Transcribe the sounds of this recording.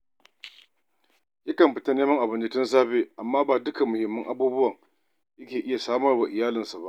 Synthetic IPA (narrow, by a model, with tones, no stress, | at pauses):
jɐ˦kɐ˨mɸɪ˨ta˦neː˦mɐ˦ŋʔa˨bɪ˨nd͡ʒɐ˨tɪ˦ns̬aː˦ɸeː˦ʔa˨mːaː˦baː˨dʊ˦ka˨mʊ˨hɪ˨mːɐ˦ŋʔa˦buː˦bʊ˦wɐ˨ŋ | jɐ˦kʲeː˨ʔɪ˦ja˨saː˦mɐ˦rba˨ʔɪ˨jaː˦lɪ˨nsa˨ba̰˦ʔ